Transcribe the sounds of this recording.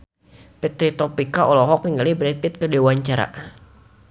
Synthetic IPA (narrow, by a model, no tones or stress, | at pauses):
pɛt̪ɾit̪ɔpikaʔɔlɔɦɔk̚niŋɡalibəɾɛt̪̚pɪt̪̚kədewaɲt͡ʃaɾa̰